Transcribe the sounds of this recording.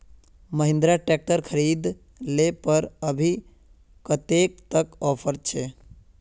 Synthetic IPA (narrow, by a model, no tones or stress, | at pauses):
məɦɪ̃nd̪ɾaʈek̚ʈəɾkʰəɾiːd̪ | lepəɾəbʱi | kət̪ek̚t̪əkɔːpʰəɾt͡ʃʰe